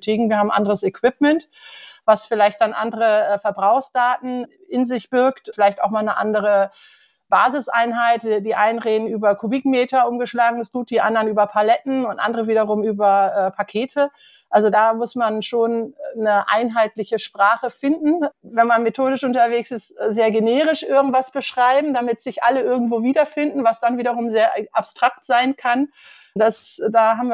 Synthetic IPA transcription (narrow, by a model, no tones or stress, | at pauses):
tʰeːɡŋ̩viːɐaːbm̩ʔa̰ndəʁəsɛkw̥ɪp̚mɛnt | vasfɪlaɪçt̚d̥anʔa̰ndəʁəʔɛfɛɐbʁaʊxsd̥aːtn̩ | ʔɪnzɪçb̥ɪɐktfɪlaɪçtaʊxmaːlnəʔa̰ndəʁ̞ə | b̥aːzɪsʔa̰ɪnɦaɪtdiːʔaɪnənʁeːdn̩yːbɐkʰubɪkmɛːtɐʔʊmɡəʃlaːɡŋ̩ɛsɡ̥uːt̚d̥iːʔa̰ndɐnyːbɐpʰalɛtn̩ʊntʔa̰ndəʁəviːdɐʁ̞ʊmyːbɐʔɛːpʰakʰeːtʰə | ʔalzodaːmʊsmanʃoːnːəʔa̰ɪnɦaɪtlɪçəʃpʁ̥aːχəfɪndn̩vɛnmanmetʰoːdɪʃʔʊntɐveːksɪstzeːɐɡeneːʁ̞ɪʃʔɪɐɡŋ̩tv̥asb̥əʃʁ̥aɪbm̩damɪtz̥ɪçʔaləʔɪɐɡŋ̩tv̥oːviːdɐfɪndn̩vasd̥anviːɾɐʁ̞ʊmzeːɐʔapstʁ̥ak̚tz̥aɪnkʰan | dasdaːɦaːbm̩v